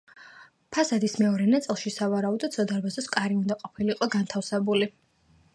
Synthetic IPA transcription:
pʰasad̪ismɛɔɾɛnat̪sʼlˠʃisavaɾaud̪ɔt̪sʰɔd̪aɾbazɔskʼaɾiund̪aqʼɔpʰiliːqʼɔɡant̪ʰafsɛbuli

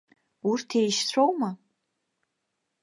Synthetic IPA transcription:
urtʰejʃt͡sʰʷowma

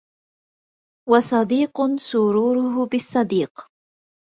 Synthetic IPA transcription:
wɑsˤɑd̪iːqʊsʊɾuːɾʊɦʊbɪsˤːɑd̪iːq

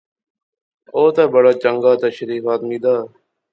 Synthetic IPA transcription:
oːt̪aːbəɽaːt͡ʃəŋɡaːt̪əʃɾiːfaːt̪miːd̪aː

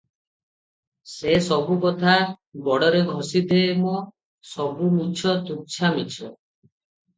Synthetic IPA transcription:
sesɔbukɔt̪ʰabɔɽɔɾeɡʱɔsid̪ʱemɔ | sɔbumit͡ʃʰɔt̪uk̚t͡ʃʰamit͡ʃʰɔ̰

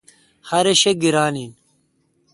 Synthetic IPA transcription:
hɐɾeɕeɡiɾaːnin

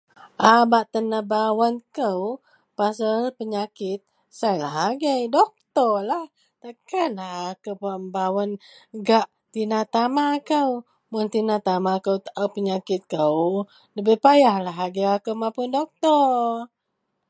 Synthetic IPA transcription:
ʔabaʔt̪ənəhbawankəw | pas̬alpəɲakɪt̪̚ | sajlaɦaɡəjdɔk̚t̪ɔrlah | t̪akanlahːkəwpabawanɡaʔ | t̪inat̪amaːkəw | mʊnt̪inat̪amakəwt̪aʔəwpəɲakɪt̪̚kəw | ləbəhpajahlaɦaɡəjakəwmapʊndɔk̚t̪ɔ

